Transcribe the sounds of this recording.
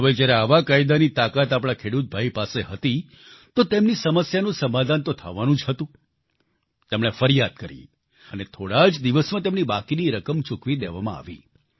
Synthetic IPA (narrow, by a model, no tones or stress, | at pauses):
əʋəjd͡ʒjaɾeaʋakaid̪anit̪akat̪apɽ̃akʰeɽut̪̚bʱaipaseɦət̪i | t̪ot̪emnisəməsjanũsəmad̪ʱant̪ot̪ʰəʋanũd͡ʒɦət̪ũ | t̪emɽefəɾjad̪̚kəɾḭ | ənet̪ʰoɽad͡ʒd̪iʋəsmãt̪̬emnibakiniɾəkəmt͡ʃukʋid̪eʋamã̰a̰ʋḭ